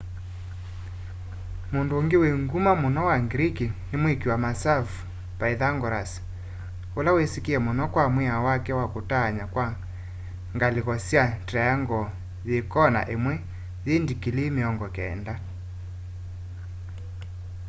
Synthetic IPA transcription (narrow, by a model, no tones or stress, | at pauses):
mondooŋɡeweŋɡumamonɔwaŋɡɾikinemwekiwamasavu | paiðaŋɡɔɾasi̥ | olawesikiɛmonɔkwamwɛawakɛwakotaːɲakwa | ŋɡaliɣɔsiatɾɛaŋɡɔ | ðekɔna̰ʔemwɛ | jendikilemeɔŋɡɔkɛ̰ːnda